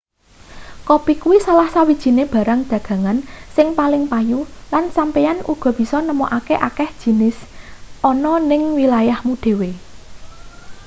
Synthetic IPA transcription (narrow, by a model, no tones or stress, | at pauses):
kopikuwisalahsawid̥ʒ̥i̤neb̥ä̤ɾaŋd̪̥ä̤ɡ̥ä̤ŋansɪŋpalɪŋpajulansampejanʔṵɡ̥ɔ̤b̥i̤sɔnəmoʔakeʔakɛhd̥ʒ̥i̤nɪsʔɔnɔnɪŋwilajahmud̪̥e̤we